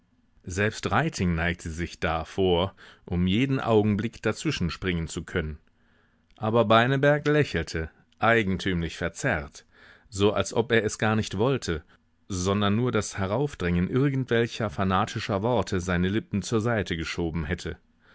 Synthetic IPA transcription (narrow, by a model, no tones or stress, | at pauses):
zɛlpstʁaɪtʰɪŋnaɪk̚tʰəzɪçd̥afoːɐʔʊmjeːdn̩ʔa̰ʊɡŋ̩blɪkd̥at͡sv̥ɪʃn̩ʃpʁ̥ɪŋənt͡sukʰœnən | ʔaːbɐbaɪnəbɛɐklɛçl̩tʰə | ʔaɪɡŋ̩tʰyːmlɪçfɛɐt͡sɛʁt | z̥oːʔa̰lsʔɔpeːɐʔɛsɡ̥aːɐnɪçtv̥ɔltʰə | zɔndɐnːuːɐdashɛʁaʊfd̥ʁɪŋənʔɪɐɡn̩tv̥ɛlçɐfanaːtʰɪʃɐvɔɐtʰəzaɪnəlɪpm̩t͡suːɐzaɪtʰəɡəʃoːbm̩ɦɛtʰə